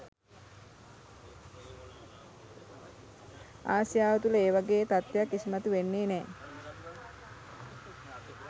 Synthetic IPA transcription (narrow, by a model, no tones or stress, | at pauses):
aːsjaːʋət̪uləeːʋaɡeːt̪at̪ʋjakːisimat̪uʋenːeːnɛː